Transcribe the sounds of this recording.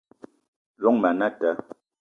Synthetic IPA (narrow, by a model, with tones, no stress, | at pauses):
lɔ˦ŋma˨na˦tɛ˨˦